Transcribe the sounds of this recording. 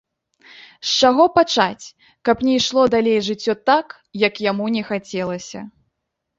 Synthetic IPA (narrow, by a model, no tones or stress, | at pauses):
st͡ʂaɣɔpat͡ʂat͡sʲ | kɐpnʲɛjʂlˠɔd̪alʲejʐɨt͡sʲːɔt̪ak | jɐkjamunʲɛxat͡sʲɛlˠɐsʲɐ̰